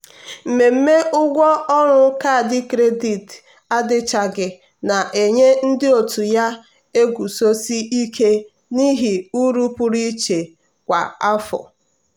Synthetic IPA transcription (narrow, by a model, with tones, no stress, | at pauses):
m̩˨me˨m̩˦me˦ʔʊ˦ɡʷɔ˦ɔ˦ɾʊ˦ka˦˨dɪ˦kɾe˦di˨t | a˦dɪ˦t͡ʃa˨ɡɪ˨ | na˨ʔe˨ɲe˦n̩˦dɪ˦o˨tu˨ja˦ | e˦ɡʷu˨so˦si˦ʔi˦kʰe˦ | ni˦ɦi˨u˦ɾu˦pu˦ɾi˦t͡ʃe˨ | kʷa̰˨a˦fɔ̰˨